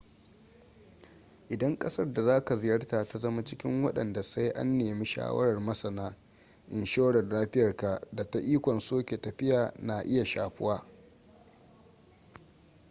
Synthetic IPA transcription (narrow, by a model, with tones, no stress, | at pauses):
ʔɪ˨dɐ˦ŋkʼɐ˦sɐ˦rda˨zaː˦ka˨zɪ˨jɐ˦rta˨ka˨zɐ˦ma˦t͡ʃɪ˦kʲɪ˦ŋwɐ̰˦ɗɐ̰˨nda˨sa˦jʔa̰˦nːeː˨mi˦ʃa̰ː˦wɐ̰˦ɾɐ˨rmɐ˦sɐ˨naː˦ | ʔɪ˨nʃoː˦ɽɐ˨rlaː˦ɸɪ˦jɐ˨rka˨da˨ta˦ʔiː˦kʷɔ˨nsoː˦kʲe˨tɐ˨ɸɪ˦jaː˨na˨ʔɪ˦ja˨ʃa̰ː˨ɸɪ˦waː˦